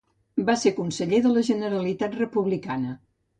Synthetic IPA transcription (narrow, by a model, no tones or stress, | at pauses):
basekunsəʎeðələʒənəɾəlit̪at̪rəpuβlikanə